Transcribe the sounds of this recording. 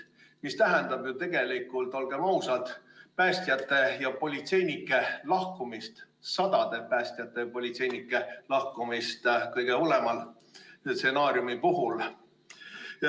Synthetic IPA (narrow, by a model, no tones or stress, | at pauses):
mist̪æɦend̪̥ɑb̥jut̪e̞ɡ̥e̞likːˑult̪ːˑo̞lɡ̥e̞mɑusɑd̪̥pæːsʲt̪ijɑt̪ːˑe̞jɑpo̞lʲit̪se̞jnikːˑe̞lɑhkumist̪ | sɑd̪̥ɑd̪̥e̞pæːsʲt̪ijɑt̪ːˑejɑpo̞lʲit̪se̞jnikːˑe̞lɑhkumist̪kɤjɡe̞o̞le̞mɑl | t̪se̞nɑːɾjumipuɦul